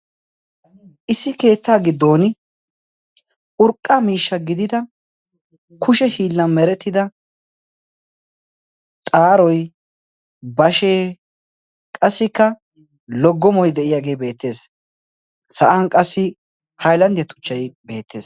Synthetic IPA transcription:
ʔɪsːɪke̞ːt̪ːaːɡɪd̪ːo̞ːnɪ | ʔʊɾkʼːamiːʃːɐɡɪd̪ɪd̪ɐ | kʰʊʃɛhiːlːɐnmɛɾɛt̪ːɪd̪ɐ | t̪ʼaːɾɔj | bɐʃe̞ː | kʼɐsːɪkːɐ | lɔɡːɔmɔjd̪ɛʔɪjaːɡe̞ːbe̞ːt̪ːe̞ːs | sɐʔɐnkʼɐsːɪ | hɐjlɐnd̪ɛt̪ʊ̥t͡ʃːɐjbe̞ːt̪ːe̞ːs

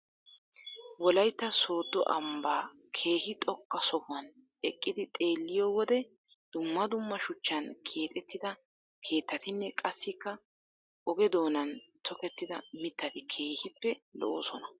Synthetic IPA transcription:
wɔlɐjt̪ːɐso̞ːd̪ːɔʔɐ̰mbaː | kʰe̞ːhɪt̪ʼɔkːɐsɔhʊɐn | ɛkʼːɪd̪ɪt̪ʼe̞ːlːɪjoːwɔd̪ɛ | d̪̥ʊmːɐd̪ʊmːɐʃʊt͡ʃːɐnkʰe̞ːt̪ʼɛt̪ːɪd̪ɐ | kʰe̞ːt̪ːɐt̪ɪnːɛkʼɐsːɪkːɐ | ʔɔɡɛd̪o̞ːnɐnt̪ʰɔkɛt̪ːɪd̪ɐmɪt̪ːɐt̪ɪkʰe̞ːhɪpːɛlɔ̰ʔo̰ːsɔnɐ

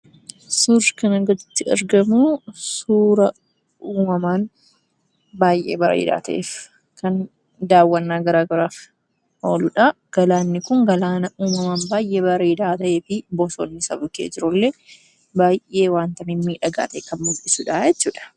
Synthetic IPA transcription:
sʊrkɐnɐɡɔd͡ʒɪt̪ːɪɐ̰ɾɡɐmusuːɾɐ | uːmɐmaːn | baːjʔḛːbɐɾḛːd̪a̰ːt̪ɐ̰ʔḛːf | kɐn | d̪aːwːɐnːaːɡɐɾaːɡɐɾaːf | ho̞ːlʊᶑa | ɡ̥ɐlaːnːɪkʊŋɡɐlaːnɐʔuːmɐmaːnbaːjʔeːbɐɾeːd̪aːt̪ɐʔe̞ːfɪbɔsoːnːɪsɐ̰bʊkḛːd͡ʒɪɾʊlːe | baːjʔe̞ːwaːnt̪ɐmɪmːiːᶑɐɡa̰ːt̪ɐʔekɐnmʊlʔɪsuːᶑaːjɛt͡ʃːuːᶑɐ̥

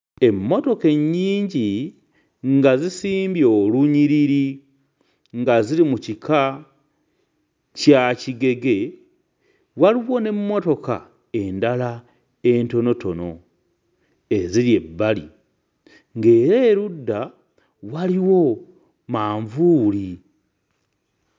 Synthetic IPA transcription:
e̞mːo̞to̞ke̞ɲːiːɲɟi | ŋɡazisiːmbjo̞luɲiɾiɾi | ŋɡaziɾimucikʰa | caciɡe̞ɡe̞ | waliwo̞ne̞mːo̞to̞ka̰ | e̞ndala | e̞nto̞no̞to̞no̞ | e̞ziɾje̞bːalḭ | ŋɡe̞ːɾe̞ɾudːa | waliwo̞ | maːɱvuːli

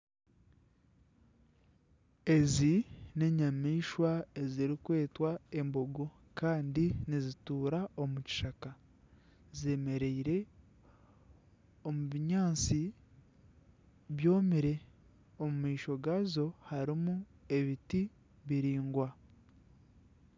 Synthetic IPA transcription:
e̞zine̞ɲamiːʃwae̞ziɾikwe̞ːtwae̞mboɡo | kaːndinizituːɾaomuci̥ʃaka | ze̞ːme̞ɾe̞iɾe̞ | o̞muβiɲaːnt͡si | βjo̞ːmiɾe̞ | o̞mumiːʃo̞ɡazo̞haɾimue̞βiti | βiɾiːŋɡwa

